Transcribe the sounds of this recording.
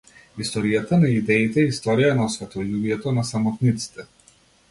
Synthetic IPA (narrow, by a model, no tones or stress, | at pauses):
ist̪ɔɾijat̪anaid̪ɛit̪ɛist̪ɔɾijanɔsvɛt̪ɔjubijɛt̪ɔnasamɔt̪nit̪si̥t̪ɛ